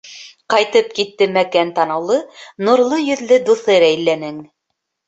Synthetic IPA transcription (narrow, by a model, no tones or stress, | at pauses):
qɑjt̪ɤp̚kit̪ːɘmækænt̪ɑnɤ̆wlˠɤnŭɾlˠɤjɵ̆ðlɘd̪uθɤɾæjlːænɘŋ